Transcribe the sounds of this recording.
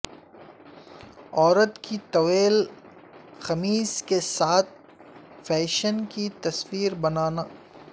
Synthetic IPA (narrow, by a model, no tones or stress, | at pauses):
ɔːɾət̪kit̪ɐweːl | xɐmiːskesaːt̪̚ʰ | fɛːʃənkit̪ɐsfiːɾbɐnaːnaː